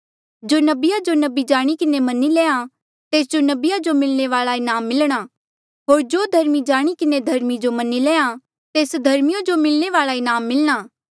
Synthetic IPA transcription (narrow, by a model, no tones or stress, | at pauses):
d͡ʒoːnɐbɪjad͡ʒonɐbid͡ʒaːɽ̃ikɪnemɐnːilɛːã | t̪eːsd͡ʒonɐbɪjad͡ʒomɪlñeʋaːɭaɪnaːmːɪlɽ̃a | ɦoːɾd͡ʒoːd̪ʱɐɾmid͡ʒaːɽ̃ikɪned̪ʱɐɾmid͡ʒomɐnːileːã | t̪eːsd̪ʱɐɾmɪjãd͡ʒomɪlñeʋaːɭaɪnaːmːɪlɽ̃aː